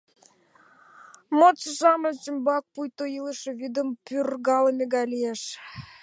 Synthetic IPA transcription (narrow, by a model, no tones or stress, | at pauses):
mot͡ɕəʒɑməlt͡ɕəmbɑk̚pujt̪ojiləʃĕβid̪əmpyrɣɑləmʲeɡɑjlijæʃ